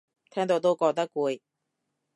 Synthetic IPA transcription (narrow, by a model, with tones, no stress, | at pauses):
t̪ʰɛː˥ŋt̪o˧wt̪o˥wkɔː˧t̪̬ɐ˥kːuː˧j